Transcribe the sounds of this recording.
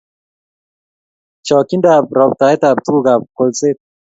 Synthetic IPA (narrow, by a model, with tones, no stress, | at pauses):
t͡ʃɔ˨ki˦nda˨b̚ɾɔ˨b̚t̪a˨e˦t̪a˨b̚t̪u˦ɡu˨ɡa˨b̚ko˨lt͡se˦t̪̚